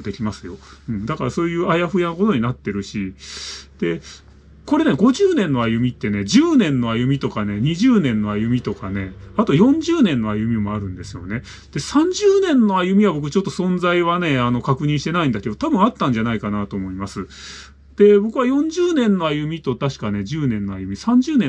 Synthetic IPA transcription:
d̪e̞kʲimasɨjo̞ɯ̟̃ɴd̪akaɾaso̞ːjɯ̟ːajaɸɯjanoko̞t̪o̞ɲ̟inat̪ːe̞ɾɯ̟ɕi | d̪̥e̞ | ko̞ɾe̞ne̞ɡo̞ʑɨːnẽ̞nːo̞ajɯ̟mʲit̪ːe̞ne̞d͡ʑɨːnẽ̞nːo̞ajɯ̟mʲit̪o̞kane̞ɲ̟iʑɨːnẽ̞nːo̞ajɯ̟mʲit̪o̞kane̞at̪o̞jõ̞ɲ̟d͡ʑɨːnẽ̞nːo̞ajɯ̟mʲimo̞aɾɯ̟̃nd̪e̞sɨjo̞̰ne̞ | d̪̥e̞sãɲ̟d͡ʑɨːnẽ̞nːo̞ajɯ̟mʲiβabo̞k̬ɯ̟t͡ɕo̞t̪ːo̞sõ̞nzaiβane̞ano̞kakɯ̟ɲ̟ĩɕi̥t̪e̞naĩnd̪ake̞d̪o̞t̪abɯ̟̃ɰ̃at̪ːãɲ̟d͡ʑanaikanat̪o̞ːmo̞imasɨ | d̪̥e̞bo̞kɯ̟βajõ̞ɲ̟d͡ʑɨːnẽ̞nːo̞ajɯ̟mʲit̪o̞t̪aɕi̥kane̞ʑɨːnẽ̞nːo̞ajɯ̟mʲisãɲ̟d͡ʑɨːnẽ

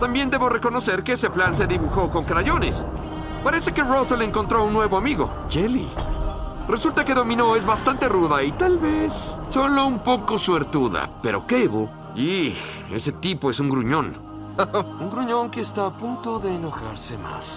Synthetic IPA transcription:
t̪ambjend̪e̞βo̞re̞ko̞no̞se̞ɾkeese̞plans̬e̞ðiβuxo̞ko̞ŋkɾaʝo̞ne̞̰s | paɾe̞se̞ke̞roseleŋko̞nt̪ɾo̞unːwe̞βoamiɣo̞̰ | d͡ʒelḭ | re̞sult̪ake̞ðo̞mĩno̞e̞zβast̪ant̪e̞ruðait̪alβesːo̞loumpo̞kosueɾt̪uða̰pe̞ɾo̞̰ke̞βo | i | e̞̰se̞t̪ipo̞e̞suŋɡɾuɲo̞n | uŋɡɾuɲo̞ŋkeːst̪aːpunt̪o̞ðe̞ːno̞xa̰ɾse̞ma̰s

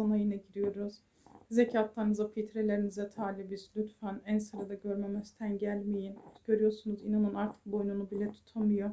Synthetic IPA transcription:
anajɯnaɟiɾijo̞ɾuz̥ | zecʰat̪lˠaɾɯnɯzapʰit̪ʰɾelʲe̞ɾinizɛt̪ʰaːlʲibizlʲyt̪fænænsɯɾad̪aɟøɾmemɛst̪ʰænɟælʲmejinɟ̥ø̞ɾyjo̞ɾsunuzinanɯnaɾt̪ʰɯ̥k̚bo̞jnunubilʲɛt̪ʰu̥t̪ʰamɯjo

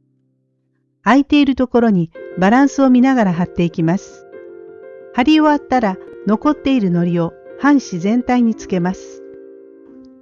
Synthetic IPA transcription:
ait̪e̞iɾɯ̟t̪o̞ko̞ɾo̞ɲ̟ibaɾãɰ̃sɨo̞mʲinaɣaɾaɦat̪ːe̞ikʲimasɨ̥ | haɾʲioat̪ːaɾano̞ko̞t̪ːe̞iɾɯ̟no̞ɾʲio̞ | hãɰ̃ɕizẽ̞nt̪aiɲ̟it͡sɨ̥ke̞masɨ̥

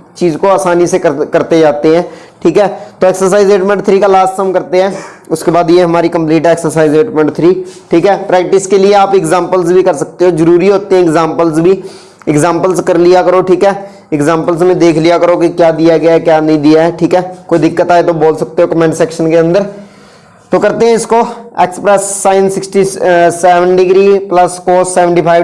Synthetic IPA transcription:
t͡ʃiːzkoaːsaːnisekəkɐɾt̪ed͡ʒaːt̪eɦɛ̃ːʈʰiːkɦɛːt̪oːɛːksəɾsaːɪzeːʈmɛ̃ɳʈt̪ʰɾikalaːst̪səmkɐɾt̪eɦɛ̃ː | ʊskebaːd̪jeɦɐmaːɾikə̃mpliːʈeːksəɾsaːɪzeːʈmɛ̃ɳʈt̪ʰɾiːʈʰiːkɦɛːpɾɛːk̚ʈɪskelieaːpɪkzãːmpəlzbʱikɐɾsɐk̚t̪eɦozəɾuːɾiɦoːt̪eɦɛ̃ɪkzãːmpəlzbʱi | ɪkzãːmpəlzkɐɾlijakəɾoʈʰiːkɦɛː | ɪkzãːmpəlzmẽd̪eːkʰlijakəɾokikjaːd̪ijaɡɐjaɛkjaːnɐɦĩd̪ijaɦɛʈʰiːkɦɛːkoːid̪ɪkːət̪aːet̪oboːlsɐk̚t̪eɦokəmɛːnsɛːkʃənkeɐ̃nd̪əɾ | t̪oːkɐɾt̪eɦɛ̃ɪskoeːksə̥pɾɛsːaːɪnsɪksʈisɛːʋənɖɪɡɾiːpləskoːseːʋə̃ɳʈiːpʰaːɪ

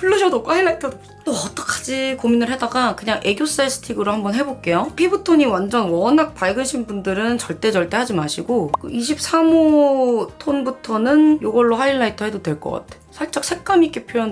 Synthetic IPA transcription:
puɭːɯɕʰʌdokohaiɭːaitʰʌdo | toʌt͈ʌkʰad͡ʑikominɯɭɦedaɡakɯɲaŋʔe̞ɡjos͈aes͈ʰɯ̥tʰiɡɯɾohambʌnɦe̞bok̚k͈e̞jopʰibɯtʰoɲiwand͡ʑʌnwʌnak̚paɭɡɯɕʰinbundɯɾɯnt͡ɕʌɭt͈e̞t͡ɕʌɭt͈e̞ɦad͡ʑimaɕʰiɡok͈ɯiɕʰip̚s͈ʰamo | tʰonbutʰʌnɯnjoɡʌɭːoɦaiɭːaitʰʌɦe̞dodwe̞ɭk͈ʌk͈a̰tʰeosʰaɭt͡ɕ͈ak̚sʰe̞k̚k͈amik͈epʰojʌn

